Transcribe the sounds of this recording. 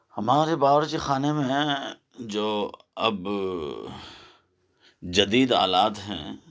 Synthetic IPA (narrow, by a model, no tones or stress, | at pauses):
hɐmaːɾebaːʋəɾkexaːnemẽ | d͡ʒoː | ɐb | d͡ʒɐd̪iːd̪a̰ːlaːt̪ɦɛ̰̃ː